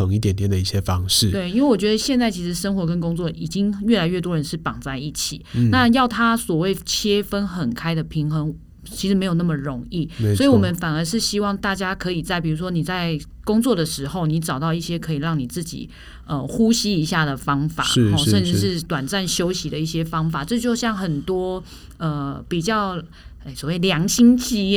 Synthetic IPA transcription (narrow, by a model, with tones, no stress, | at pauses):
ɤ˧˦ŋi˥˩t̪̬jɛ˨˥nt̪jɛ˨˩nd̪ə˩i˥˩ɕjɛ˦fɑ˦ŋʂɻ̩˥˨˩we˥˩ɪi˥nwe˥˩wɔ˨˩t͡ɕɥɛ˧˥d̪ə˧ɕjɛ˥˧nt͡sa˥˩ɪt͡ɕʰi˧˥ʂɻ̩˧˩ʂə˥ŋxwɔ˧˥kə˦˥nkʊ˥ŋt͡swɔ˥˨ʔi˨˩t͡ɕi˦ŋɥɛ˥˩la˧˥ɪɥɛ˥˩t̪wɔ˦ɻə˧˦nʂɻ̩˥˩pɑ˨˩ŋt͡sa˥˧ɪi˥˩t͡ɕʰḭ˨˩˦na˥˧jɑ˥˩ʊt̪ʰa˦˥swɔ˨˩we˥˩ɪt͡ɕʰjɛ˥fə˥nxə˨˩nkʰa˥ɪd̪ə˨pʰi˧˥ŋxə˧˥ŋ | t͡ɕʰi˧˥ʂɻ̩˧˥m˧˥jo˨˩na˥˩mə˩ɻo˧˥ŋi˥˩sɔ˧˥i˨˧wɔ˨˩mə˦nfa˨˩nə˞˧˥ʂɻ̩˥˩ɕi˥wɑ˥˧ŋt̪a˥˩t͡ɕja˥kʰɤ˧˥i˨˩t͡sa˥˩ɪpi˨˩u˧˥ʂwɔ˥ni˨˩t͡sa˥˩ɪ | kʊ˥ŋt͡swɔ˥˩d̪ə˩ʂɻ̩˧˥xo˥˩ʊni˧˥ʈ͡ʂɑ˨˩ʊt̪ɑ˥˧ʊi˥˩ɕjɛ˥kʰɤ˧˥i˨˩ɻɑ˥˩ŋni˨˩t͡sɹ̩˥˩t͡ɕḭ˨˩ | ə˨xu˦ɕi˥i˧˥ɕja˥˩d̪ə˩fɑ˥ŋfa̰˨˦xɔ˥˧ʂə˥˧nʈ͡ʂɻ̩˥˩˧ʂɻ̩˥˩t̪wa˨˩nt͡sa˥˩nɕjo˥ʊɕi˧˥d̪ə˨i˥˩ɕjɛ˥fɑ˥ŋfa˨˩ʈ͡ʂɤ˥˧t͡ɕjo˥˧ʊɕjɑ˥˩ŋxə˨˩nt̪wɔ˥ | ə˨pi˨˩t͡ɕjɑ˥˩ʊ˩ | swɔ˨˩we˥˩ljɑ˧˥ŋɕi˥ŋt͡ɕi˥